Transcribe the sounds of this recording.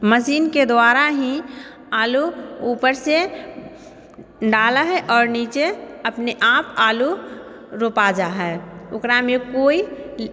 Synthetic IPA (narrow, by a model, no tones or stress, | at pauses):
məsiːnked̪waːɾaɦĩ | aːluuːpəɾse | ɖaːlaɦɛʔɔːɾniːt͡ʃeəpneʔaːpaːlu | ɾoːpad͡ʒaːɦɛːʊkɾamẽkoːi